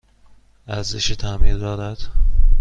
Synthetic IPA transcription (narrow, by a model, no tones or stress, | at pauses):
æɾzeʃet̪ʰæmiːɾd̪ɒːd̪æd̪̥